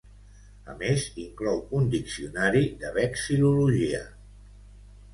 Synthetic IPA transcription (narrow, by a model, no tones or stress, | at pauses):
ə̰meziŋklɔwund̪iksiunaɾiðəβɛksiluluʒiə